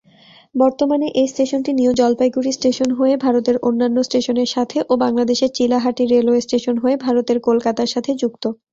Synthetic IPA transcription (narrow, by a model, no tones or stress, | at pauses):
bɔɾt̪omaneʔejsʈeʃonʈiniod͡ʑɔlpajɡuɾisʈeʃonɦoebʱaɾot̪eɾʔonːanːosʈeʃoneɾʃat̪ʰeʔobaŋlad̪eʃeɾt͡ɕilaɦaʈiɾeloesʈeʃonɦoebʱaɾot̪eɾkolkat̪aɾʃat̪ʰed͡ʑukt̪o